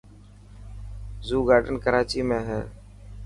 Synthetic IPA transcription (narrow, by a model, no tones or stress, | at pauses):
zuːɡaːɖənkəɾaːt͡ʃiːmẽːɦɛː